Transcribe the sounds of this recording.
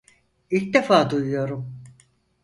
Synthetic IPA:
ilʲcd̪efaːd̪ujujo̞ɾum

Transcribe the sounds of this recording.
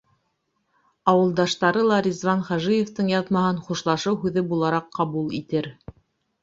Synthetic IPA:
ɑwɤ̆lˠd̪ɑʃt̪ɑɾɤlˠɑɾʲizvɑnχɑʒijeft̪ɤɴjɑðmɑɦɤnχuʃlˠɑʃɤwɦʉðɘbulˠɑɾɑqːɑβulˠit̪ɘɾ

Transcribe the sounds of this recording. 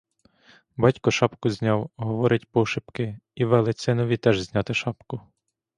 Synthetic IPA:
bɑtʲkɔʃɑpkʊzʲnʲɑwɦɔʋɔɾʔɪtʲpɔʃɪpkɪiʋɛlˠɪsʲɪnɔʋʲit̪ɛʒzʲnʲɑt̪ɪʃɑpkʊ

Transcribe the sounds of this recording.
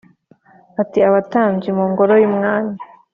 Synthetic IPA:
atiaβataːɲd͡ʒimuːŋɡoɾojimŋaːna

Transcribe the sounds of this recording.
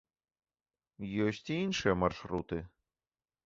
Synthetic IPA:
jɔsʲt͡sʲiinʂɨjɐmarʂɾut̪ɨ

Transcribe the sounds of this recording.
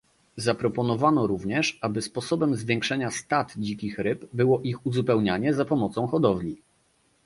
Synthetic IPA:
zapɾɔpɔnɔvanɔɾuvɲɛʂabɘspɔsɔbɛmzvʲjɛŋkʂɛɲast̪at̪d͡ʑikʲixɾɘbbɘwɔʔixuzupɛwɲaɲɛzapɔmɔt̪sɔ̃w̃xɔd̪ɔvlʲi

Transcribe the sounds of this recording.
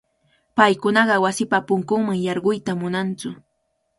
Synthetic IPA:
pajkʊnɑɢɑwasɪpapʊŋkʊŋmaŋjɑɾɢʊjt̪amʊnant͡sʊ

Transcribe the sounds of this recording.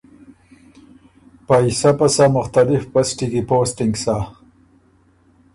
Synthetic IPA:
paisapasamʊxt̪alɪfpasʈikipoːsʈiŋɡsa

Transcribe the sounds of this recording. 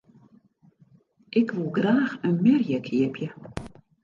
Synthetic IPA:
ʔɪkvulˠɡraːχənmɛrjɛkʰjɛpʰjə

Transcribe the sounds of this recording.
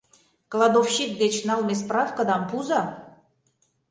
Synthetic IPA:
klˠɑd̪ofɕik̚d̪et͡ɕnɑlmʲes̬prɑfkəd̪ɑmpuzɑ

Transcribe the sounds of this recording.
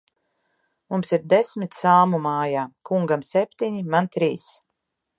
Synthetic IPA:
mumsiɾd̪esmit̪saːmumaːjaːkuŋɡamsepʲt̪iɲimant̪ɾiːs

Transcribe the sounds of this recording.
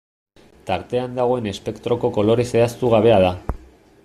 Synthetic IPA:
t̪aɾt̪e̞and̪aɣo̞e̞ne̞spe̞kt̪ɾo̞ko̞ko̞lo̞ɾe̞se̞ast̪uɣ̞aβ̞e̞að̞a

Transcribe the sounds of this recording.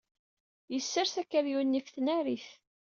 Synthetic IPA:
jəsːəɾsækːəɾjunːifθnæɾiθ

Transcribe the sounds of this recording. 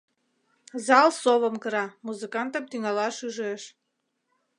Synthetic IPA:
zɑlˠsoβəmkəɾɑmuzɨkɑnt̪əmt̪yŋɑlɑʃyʒeʃ

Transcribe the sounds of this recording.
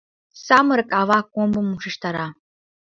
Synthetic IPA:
samɨɾkʼavakʷʼombɨmuʂɨʂt̪ʰaɾa

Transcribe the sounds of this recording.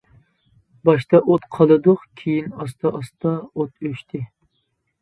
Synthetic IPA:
bɑʃt̪ɑʔot̪qʰɑlˠɨd̪ʊqkʲʰijinɑst̪ʰɑʔɑst̪ɑot̪øʃt̪ʰɪ

